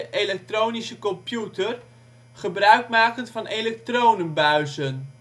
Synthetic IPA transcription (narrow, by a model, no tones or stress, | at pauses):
əʔejlɛk̚trownisəkɔmpjutər | χəbrœɥkmaːkəntfɑnelɛk̚trownənbœɥzən